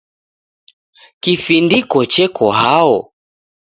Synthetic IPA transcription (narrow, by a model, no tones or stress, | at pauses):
kifindikɔt͡ʃɛkʰɔɦaɔ